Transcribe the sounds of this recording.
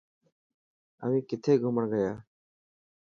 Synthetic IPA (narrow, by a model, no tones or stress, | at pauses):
əʋĩːkɪt̪ʰeːɡʱʊməɳɡəjaː